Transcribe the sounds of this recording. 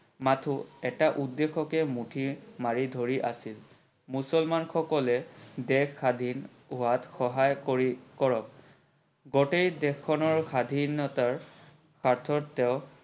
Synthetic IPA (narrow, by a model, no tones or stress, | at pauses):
matʰuɛtaʔudːexɔkɛmutʰimaɹidʱoɹiʔa̰sil | musɔlmanxɔkɔlɛdɛkːadʱin | ʊatxɔɦajkɔɹikɔɹɔk̚ | ɡɔtejdɛkʰːɔnɔɹxad̪ʱinɔtaɹ | kʰaɹtʰɔtːɛʊ̃